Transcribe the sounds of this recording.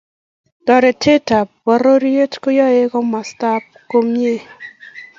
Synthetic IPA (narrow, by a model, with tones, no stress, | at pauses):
d̥ɔ˨ɾe˨tʰe˦ta˨pwa˨ɾo˦ɾi˦e˦tko˦jɔ˦e˦kɔ˦ma˨sta˦p̚ko˦mije˦